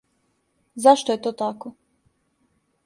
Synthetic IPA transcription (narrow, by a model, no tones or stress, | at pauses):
zaʃt̪ojet̪oːt̪ako